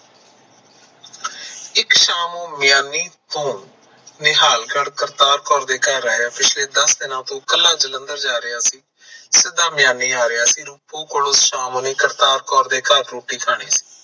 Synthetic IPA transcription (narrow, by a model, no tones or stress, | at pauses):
ɪkʃaːmõːmɪjaːnːiːt̪õː | nɪɦaːlɡəɽkəɾt̪aːɾkɔːɾd̪eːkəɾaːjaːpɪt͡ʃʰleːd̪əsd̪ɪnãːt̪õːkəlːaːd͡ʒələ̃nd̪əɾd͡ʒaːɾɪjaːsiː | sɪd̪aːmɪjaːniːaːɾɪjaːsiːɾʊpːõːkʊɽʊsʃaːmõːneːkəɾt̪aːɾkɔːɾd̪eːkəɾɾuːʈiːkʰaːɳ̃iːsi̥ː